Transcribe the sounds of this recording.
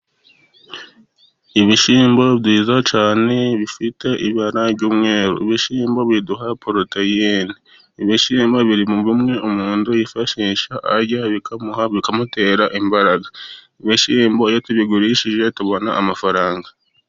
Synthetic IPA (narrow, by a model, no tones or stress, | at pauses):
iβiʃiːmboβdiːzat͡ʃaːne̞βifite̞ʔiβaɾaɾɟuːmŋe̞ːɾo̰iβiʃiːmbo̞βiduɦapʰoɾotajeni | iβiʃiːmbaβiɾimuβimŋe̞ʔumuːndujifaʃiːʃaʔaɾɟaβikamuhaβikamute̞ːɾaʔimbaɾaɡa | iβiʃiːmbojotuβiɡuɾiʃiʒe̞tuβo̞naʔːmafaɾaːŋɡa